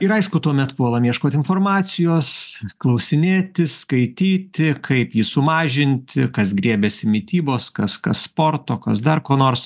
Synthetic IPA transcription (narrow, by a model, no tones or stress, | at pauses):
ɪɾɐɪʃkʊt̪uɔmʲɛt̪puʋolˠɐmʲiɛʃkoːt̪ʲɪnfoːrmɑːsʲɪjoːsklˠɐʊsʲɪnʲeːt̪ʲɪskɐɪt̪ʲiːt̪ʲɪkʰɐɪpjisʊmɑːʒʲɪnʲt̪ʲɪkɐsɡɾʲiɛbʲɛsʲɪmʲɪt̪ʲiːboːskɐskɐsspoːrt̪oːkɐsd̪ɐrkoːnoːɾs